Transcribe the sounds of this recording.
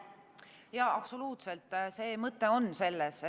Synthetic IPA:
jɑɑb̥so̞luːt̪selt̪ːˑse̞ːmɤt̪ːˑe̞o̞nːse̞lːes

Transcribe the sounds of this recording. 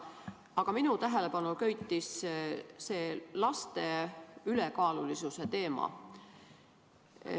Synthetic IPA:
ɑɡ̥ɑminut̪æɦele̞pɑnulkøjt̪ːˑis | se̞ːlɑst̪e̞yle̞kɑːlulisuse̞t̪e̞ːmɑ̰

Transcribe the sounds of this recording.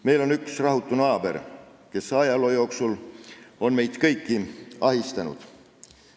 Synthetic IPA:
me̞jlo̞nyksrɑɦut̪ːˑunɑːb̥e̞̰r | ke̞sɑjɑlo̞jo̞ːksulo̞nme̞jd̪̥kɤjkːiɑɦist̪ɑnṵd̪̥

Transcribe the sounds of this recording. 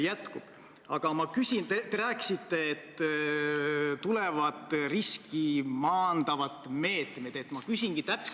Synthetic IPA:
jæt̪kub̥ | ɑɡ̥ɑmɑkysʲint̪et̪eɾæːkːi̥sit̪ːe̞et̪ː | t̪ulɛvɑt̪ːˑriskimɑːnd̪̥ɑvɑt̪ːˑme̞ːt̪med̪̥e̞t̪mɑkysʲiŋɡ̥it̪æps

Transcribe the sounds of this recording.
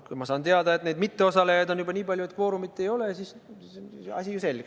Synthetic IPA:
kujmɑsɑːnt̪eɑd̪ɑet̪neːd̪mit̪ːe̞o̞sɑlejɑd̪o̞njubɑniːpɑlʲjue̞t̪̚kvo̞ːɾumit̪ːe̞jo̞le̞ɑsis | ɑ̰sʲijuse̞lɡ̥e

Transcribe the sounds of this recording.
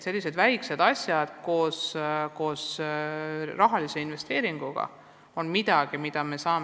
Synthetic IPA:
se̞lʲːise̞d̪væjksed̪̥ɑsʲjɑd̪̥ko̞ːsko̞ːs | rɑɦɑlise̞inve̞st̪e̞ːɾiŋɡ̥uɡ̥ɑ̰ | o̞nmid̪̥ɑɡ̥imid̪̥ɑme̞sɑːm

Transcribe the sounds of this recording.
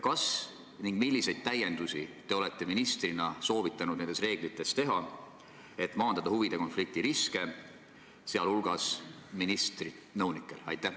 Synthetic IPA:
kɑs | niŋɡ̥milʲːise̞jd̪̚t̪æje̞nd̪̥usit̪e̞o̞le̞t̪ːˑe̞minist̪rinɑso̞ːvit̪ːˑɑnud̪nenesre̞ːɡ̥lit̪ˑːe̞st̪e̞ɦɑ | e̞t̪ːˑmɑːnd̪̥ɑd̪̥ɑhuvid̪̥e̞ko̞nflik̚t̪iɾiske̞ | seɑlhulɡ̥ɑsminist̪ri | nɤwnikːˑe̞lɑ̰jt̪ːˑæ

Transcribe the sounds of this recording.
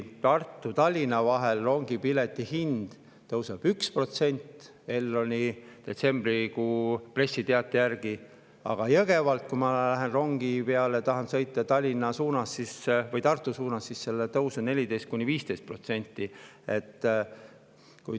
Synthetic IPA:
t̪ɑrt̪ːˑut̪ɑlʲːinɑvɑɦe̞lro̞ŋɡ̥ipile̞t̪ːˑihind̪̥ | t̪ɤwseb̥ykspro̞t̪se̞nʲt̪ː | e̞lːo̞nʲid̪̥e̞t̪se̞mb̥rikuːpre̞sʲːit̪eɑt̪ːˑejærɡ̥i | ɑ̰ɡ̥ɑjɤɡ̥e̞vɑlt̪̚kumɑlæɦe̞nro̞ŋɡ̥ipe̞ɑlet̪ɑɦɑnsɤ̞jt̪ːˑɑt̪ɑlʲːinɑsuːnɑsːisvɤjt̪ɑrt̪ˑːusuːnɑsːisːe̞lːet̪ɤwsune̞lʲid̪e̞jst̪̚kunʲːiviːst̪e̞jst̪̚pro̞t̪se̞nʲt̪ːˑi | e̞t̪ː | kuj

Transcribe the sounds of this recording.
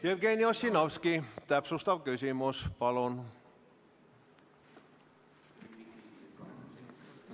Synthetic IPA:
jerɡeniosʲːinɑʋskit̪æpsust̪ɑʋkysimuspɑlon

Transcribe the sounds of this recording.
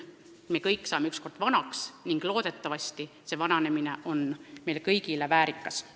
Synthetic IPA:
mikɤjkːˑsɑːmeyksko̞rd̪̥vɑnɑksniŋɡ̥lo̞ːd̪̥e̞t̪ːˑɑvɑst̪i | se̞vɑnɑne̞mineʔo̞nme̞jlkɤjɡilevæːɾikːˑɑs

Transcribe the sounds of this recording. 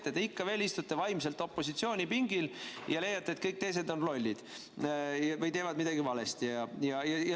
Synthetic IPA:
t̪ːet̪eikːɑve̞ːlist̪ut̪ːe̞vɑjms̬e̞lt̪ˑo̞pˑːo̞sit̪sio̞ːnʲipiŋɡiljɑle̞jɑt̪ːet̪̚kɤjk̚t̪ejse̞d̪o̞nlo̞lʲːid̪̥ | jɑvɤjt̪e̞ːvɑd̪mid̪ɑɡ̥ivɑlest̪ijɑjɑjɑjɑ

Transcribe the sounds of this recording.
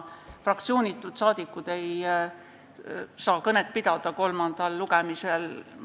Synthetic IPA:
frɑkt̪sio̞ːnʲit̪ːˑud̪̥sɑːd̪̥ikːˑud̪̥e̞j | sɑːkɤnet̪̚pid̪̥ɑd̪̥ɑko̞lmɑnd̪̥ɑlːuɡemisel

